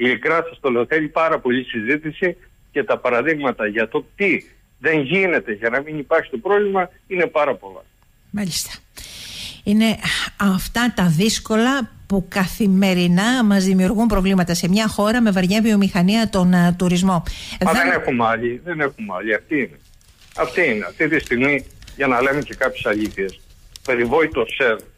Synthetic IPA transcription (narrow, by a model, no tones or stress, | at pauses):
iikɾɐsɐst̪oleoθeɾipɐɾɐpo̞ʎisizit̪isi | ce̞t̪ɐpɐɾɐðiɣmɐt̪ɐʝɐt̪o̞t̪i | ðe̞ɲʝine̞t̪e̞ʝɐnɐminipɐɾçi̥t̪o̞pɾovlimɐ | ine̞pɐɾɐpo̞lɐ̰ | mɐʎist̪ɐ̥ | ine̞ɐft̪ɐt̪ɐðisko̞lɐpukɐθime̞ɾinɐmɐzðimiuɾɣumpɾo̞vlimɐt̪ɐse̞mɲɐxo̞ɾɐme̞vɐɾʝɐvio̞mixɐniɐt̪o̞nt̪uɾizmo̞ðmɐeenexumeɐʎiðe̞ne̞xumɐ̰ʎiɐft̪iine | ɐft̪iineɐft̪it̪ist̪iɣmiʝɐnɐle̞mece̞kɐpçesɐʎiθiespe̞ɾivo̞it̪oseɾu